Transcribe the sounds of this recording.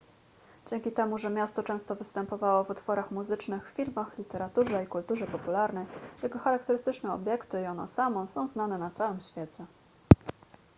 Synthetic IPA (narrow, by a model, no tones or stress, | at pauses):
d͡ʑɛŋʲkʲit̪ɛmuʐɛmʲjast̪ɔt͡ʂɛ̃w̃st̪ɔvɘst̪ɛmpɔvawɔvut̪fɔɾaxmuzɘt͡ʂnɘxffʲilmaxlʲit̪ɛɾat̪uʐɛikult̪uʐɛpɔpulaɾnɛjjɛɡɔxaɾak̚t̪ɛɾɘst̪ɘt͡ʂnɛɔ̰bʲjɛkt̪ɘiɔnɔ̰samɔ̃sɔ̃w̃znanɛnat̪sawɘmɕfʲjɛt͡ɕɛ